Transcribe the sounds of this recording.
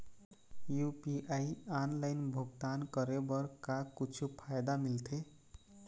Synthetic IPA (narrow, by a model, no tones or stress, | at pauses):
jupiʔaianlaɪnbʱoɡt̪ankəɾebʌɾkakut͡ʃʰupʰajd̪amilt̪ʰe